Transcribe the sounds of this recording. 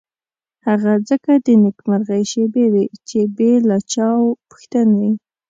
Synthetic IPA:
haɣazəkad̪ənɪkmaɾɣajʃebewet͡ʃebelɑt͡ʃɑwpə̥xt̪anawi

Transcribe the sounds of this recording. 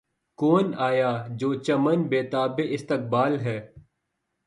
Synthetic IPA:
koːnaːjaːd͡ʒoːt͡ʃəmənbeːt̪aːbeʔɪst̪ɪk̚baːlɦɛː

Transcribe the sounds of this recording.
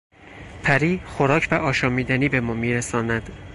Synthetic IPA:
pʰæɾiːxoɾɒːcʰvæʔɒːʃɒːmiːd̪æniːbe̞mɒːmiːɾæsɒːnæd̪̥

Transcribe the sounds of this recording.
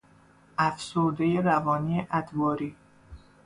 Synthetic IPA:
ʔæfsoɾd̪ejeɾævɒːniːeʔæd̪bɒːɾiː

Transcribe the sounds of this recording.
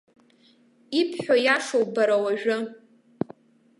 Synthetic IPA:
ipʰħʷᶣojaʂowbaɾawaʒᶣʊ

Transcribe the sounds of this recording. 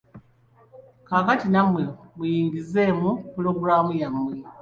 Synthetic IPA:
kaːkatinamwe̞mujiːŋɡize̞mupulo̞ɡuɾaːmujamwe̞

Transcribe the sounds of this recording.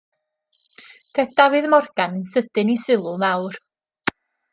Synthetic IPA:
d̥ʰeθd̥avɨðmɔrɡ̥anənsəd̥ɨnisɪlˠʊmawr

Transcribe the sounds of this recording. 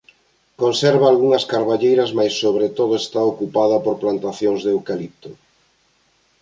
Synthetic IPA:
konsɛɾβaːlɣuŋɐskaɾβaʎejɾɐzmajsːoβ̞ɾet̪oðʊest̪aokupaðɐpoɾplant̪aθjoŋzðewkalip̚t̪o

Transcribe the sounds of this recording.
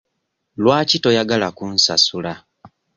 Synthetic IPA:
lwaːcito̞jaɡalakunsasula

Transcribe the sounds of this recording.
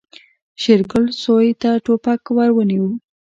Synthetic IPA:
ʃɪɾkʊlsojt̪aʈopakwaɾwəniwu

